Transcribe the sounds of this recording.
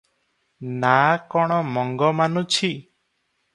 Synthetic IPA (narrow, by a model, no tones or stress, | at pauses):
nakɔɽ̃ɔmɔŋɡɔmanũt͡ʃʰi